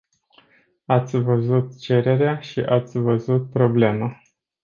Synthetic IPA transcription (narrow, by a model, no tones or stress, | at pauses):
at̪sʲvəzut̪t͡ʃe̞ɾe̞ɾeaʃḭʔat̪sʲvəzut̪̚pɾo̞ble̞mə